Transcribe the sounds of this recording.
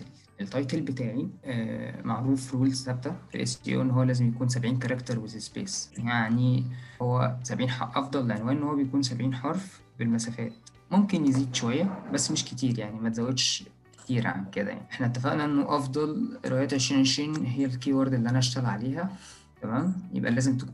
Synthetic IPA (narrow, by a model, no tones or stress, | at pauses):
ʔelt̪ːˤɑjt̪elbet̪æːʕi | mʔaʕɾuːfɾuulzsæb̚t̪æfḛʔḛst̪ḭʔʔenːhowːælæːzemjækuːns̬æbʕiːnkɑɾˤɑkt̪ɑɾˤwezespḛːsjaʕnihowːæ̰sæbʕiːnħɑʔɑfd̪ˤɑlːeʕenwæːʔnnhowːæbejækuːnsæbʕiːnħɑɾˤf | belmæsæːfæ̰ːt̪ | momkenjeziːd̪ʃowæjːæbæsːmeʃket̪iːɾjaʕnimæt̪zæwːæd̪ʃ | ke̥t̪iːɾʕa̰nked̪æ̰ja̰ʕniʔeħnæʔæt̪ːæfæʔnæʔenːoʔɑfd̪ˤɑlɾewæjæːt̪ʕeʃɾinʕeʃiːnɦejːælkiwɑɾˤd̪elːiʔænæʔæʃt̪ælʕaleːɦæ | t̪æmæːnjḛbʔæ̰læːzemt̪ekː